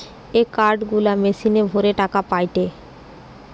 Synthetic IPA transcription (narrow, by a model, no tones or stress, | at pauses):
ekaɾɖɡulamesinebʱoɾeʈakapajʈe